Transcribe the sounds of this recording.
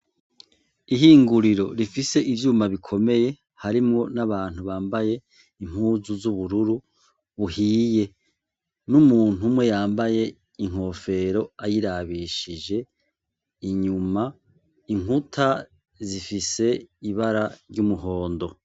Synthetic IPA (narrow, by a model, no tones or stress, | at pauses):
iɦiːŋɡuɾiɾo̞ɾifise̞ʔivjuːmaβikʰo̞me̞je̞ | haɾimŋo̞naβaːn̥huβaːmbaje̞ | im̥huːzuzuβuɾuɾu | βuhiːje̞ | numuːn̥umwe̞jaːmbaje̞ | iŋ̥ho̞ːfe̞ɾo̞ajiɾaβiʃid͡ʒe̞ | iɲuma | iŋutʰa | zifise̞iβaɾaɾɟumuɦo̞ːndo̞